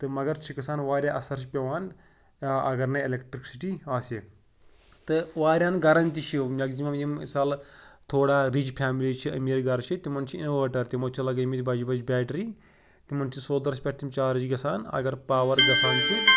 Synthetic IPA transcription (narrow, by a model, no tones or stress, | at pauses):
t̪ɨmɐɡɐɾt͡ʃʰikɐsaːnʋaːɾʲjaːʔɐsɐɾʃʰipʲɐʋaːn | ɐ̰ɡɐɾnɐilekʈɾiksiʈiaːse | t̪ɨʋaːɾʲaːnɡɐɾɐnt̪it͡ʃʰimʲɐɡzimɐmjimsaːlt̪ʰoːɽaːɾid͡ʒpʰaːmilit͡ʃʰiɐ̰miːɾɡɐɾt͡ʃʰit̪imɐnt͡ʃʰiḭnʋəːʈɐɾt̪imoːt͡ʃʰilɐɡɐmit̪ʲbɐd͡ʒibɐd͡ʒbʲaːʈɾi | t̪imɐnt͡ʃʰisoːd̪ɐɾsʲpʲɐʈt̪ʰimt͡ʃaːɾɐd͡ʒiɡɐsaːnɐ̰ɡɐɾpaːʋɐɾɡɐsaːnt͡ʃʰi